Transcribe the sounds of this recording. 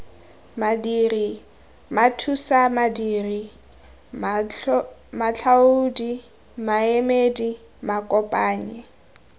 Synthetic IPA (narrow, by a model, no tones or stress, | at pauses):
madiri | matʰusamadiːri | mat͡ɬʰaudi | maemedi | makʼɔpʼaːɲɪ